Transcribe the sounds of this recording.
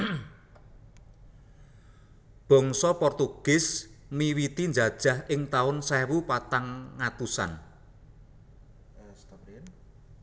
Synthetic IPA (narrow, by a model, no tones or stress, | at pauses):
b̥ɔ̤ŋsɔpɔrt̪uɡ̥ɪsmiwit̪ind͡ʒad̥ʒ̥a̤hɪŋt̪aʊnsɛwupat̪aŋːat̪usa̰n